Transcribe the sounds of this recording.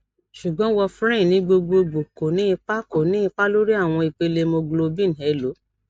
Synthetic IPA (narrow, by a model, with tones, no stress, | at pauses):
ʃu˨ɡ͡bɔ̃˨˦wɔ˧fɾɛ̃˦˨nĩ˨˦ɡ͡bo˧ɡ͡bo˧ɡ͡bo˨ko˨nĩ˨˦i˧k͡pa˦ko˨nĩ˦ĩ˧k͡pa˦lo˦ɾi˦a˦˨w̃ɔ̃˧i˨k͡pe˧le˧mo˧ɡ͡blo˧bĩ˦ñ̩˨ɦɛ˨˦˨lo˨˦